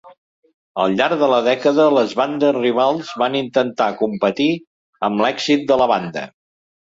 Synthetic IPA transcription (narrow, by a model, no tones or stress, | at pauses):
ə̰lˠʎaɾɡðələðɛkəðələzβand̪əzriβ̞alˠzβanint̪ənt̪akumpət̪i | əmlɛɡzit̪̚d̪ələβand̪ə̰